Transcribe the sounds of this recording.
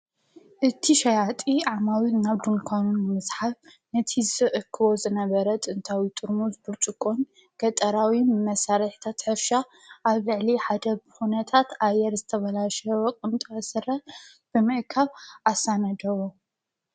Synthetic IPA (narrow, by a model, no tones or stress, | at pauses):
ʔɨt̪ʰiʃɐjat̪ʼiʕamawinaβd̪unkʰanunːɨmɨzħaf | nɨt̪ʰizɨʔɨkʰːɨβo̞zɨnɐβɐɾɐt̪ʼɨnt̪ʰawit̪ʼɨɾmuzbuɾt͡ʃʼɨkʼon | ɡ̥ɐt̪ʼɐɾawimɐsaɾɐħi̥t̪ʰat̪ħɨfʃa | ʔaβlɨʕliħad̪ɐβxunɐt̪ʰat̪ʔajɛɾzɨt̪ʰɐβɐlaʃwokʼɨnt̪ʼɐɐsɨɾɐ | b̥ɨmɨʔkʰaβʔasanɐd̪ɐwo